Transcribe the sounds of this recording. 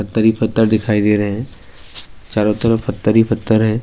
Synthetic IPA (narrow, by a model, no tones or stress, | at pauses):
pɐt̪ːəɾifʰət̪ːəɾd̪ɪkʰaːid̪eɾɐɦɛ̃ | t͡ʃaːɾot̪əɾəfɐt̪ːəɾipʰɐt̪ːəɾɦɛ̃ː